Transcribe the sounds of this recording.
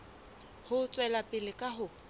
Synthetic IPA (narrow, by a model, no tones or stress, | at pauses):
hʊt͡sʼwɛlapʼɪlɪkʼaɦʊ